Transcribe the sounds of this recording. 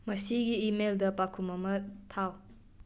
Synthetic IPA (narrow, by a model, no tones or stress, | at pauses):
mɐsiɡiːmeldɐpakʰumɐmɐtʰaw